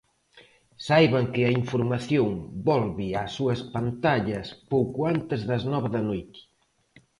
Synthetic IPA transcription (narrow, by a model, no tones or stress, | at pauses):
sajβaŋkɪɐiɱfoɾmaθjoŋbɔlβɪasuɐspant̪aʎɐspowkuant̪ɪzðɐznɔβɐðɐnojt̪ɪ̥